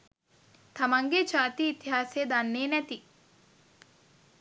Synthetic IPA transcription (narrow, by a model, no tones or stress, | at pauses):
t̪ɐmaŋɡet͡ʃaːt̪iːt̪iɦaːsed̪anːeːnæt̪i